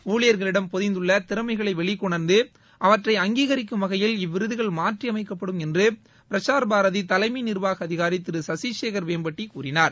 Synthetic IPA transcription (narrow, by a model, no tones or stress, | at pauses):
uːɭɪjɐɾɣɐɭɪɽɐmpɔðɪnd̪ɯɭːɐt̪ɪɾɐmɐɪɣɐɭɐɪʋɛɭɪkːɔɳɐɾnd̪ɯ | ʔɐʋɐʈrɐɪɐŋɡiːɣɐɾɪkːɯmʋɐɣɐjɪlɪʋːɪɾɯðɯɣɐɭmaːʈriɐmɐɪkːɐpːɐɽɯmɛndrɯ | pɪɾɐt͡ʃːaːɾɐbaːɾɐðit̪ɐlɐɪminɪɾʋaːɣɐɐðɪɣaːɾit̪ːɪɾɯsɐsit͡ʃeːɣɐɾʋeːmbɐʈːikuːɾɪnaːɾ